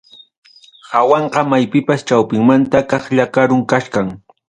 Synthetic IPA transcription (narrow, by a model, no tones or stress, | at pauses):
hawɑɴɢɑmajpɪpast͡ʃawpɪŋmant̪akɑχʎakaɾʊŋkaʃkaŋ